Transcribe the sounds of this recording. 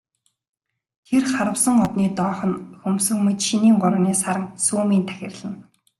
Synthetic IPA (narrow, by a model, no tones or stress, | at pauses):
t̪ʰerχaɾə̆wsə̆ŋɔt̪niːt̪ɔːχɞ̆nxɵmsɵ̆ŋmet͡ɕʃiniːŋɢʊɾə̆niːsaɾə̆ŋsuːmiːnt̪ʰæ̥xʲɪ̆rɮə̆n